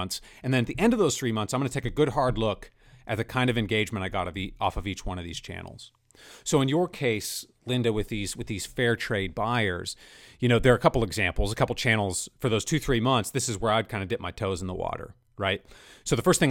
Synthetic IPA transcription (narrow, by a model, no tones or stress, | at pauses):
nθs | ɨ̃nðɨ̃nɨt̪̚ðiʔɛ̃ndʌvðoʊz̥θɹimʌ̃nθsãɪ̃mɡʌ̃nəɨtʰeɪkɨɡʊd̚ɦɑɹdˡlʊk | ʔɨzɨkʰãɪ̃ndʌvɨ̃nɡeɪd͡ʒmɨ̃ɾ̃taɪɡɑ̰ɾʌviɔ̰fʌvit͡ʃwʌ̃ñʌvðiz̥t͡ʃʰæ̰̃nl̩ˠz̥ | soʊɨ̃njə˞kʰeɪs | lɪ̃ndɨwɨðiz̥wɨðiz̥fɛɹtʰɹ̥eɪd̚baɪə̰˞z̥jɨñoʊðə˞ːkʰʌpl̩ˠɨɡzæ̃mpl̩ˠzəkʰʌpl̩ˠt͡ʃʰæ̃nl̩ˠz̥fə˞ðoʊz̥tʰʉθɹimʌ̃nθsðɪsɨzwə˞aɪd̚kʰãɪ̃ndɨdɪp̚maɪtʰoʊz̃n̩ðə̰wɔ̰ɾə̰˞ | ɹaɪt̚soʊðəfɜ˞st̪̚θɪ̃ŋ